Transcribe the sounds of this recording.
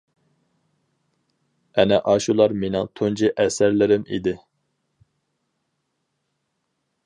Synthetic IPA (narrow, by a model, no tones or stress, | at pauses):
ɛnɛʔɑʃulˠɑɾmenɪŋt̪ʰund͡ʒiʔɛsæɾlɪɾɪmḭd̪ɪ